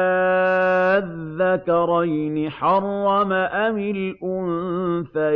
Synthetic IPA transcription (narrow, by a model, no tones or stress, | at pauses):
ðːakɑɾˤɑjnɪħɑrˤːɑmaʔamɪlʔʊnfa